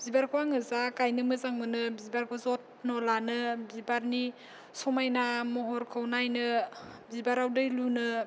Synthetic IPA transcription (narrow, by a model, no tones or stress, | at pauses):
bzibaɾkʰwaŋɯzakajnɯmɯzaŋmɯnɯbzibaɾkʰwazɔt̚ | nɔlanɯbibaɾni | sɔmajnamɔɦɔɾkʰɯwnajnɯ | bibaɾawdɯjlunɯ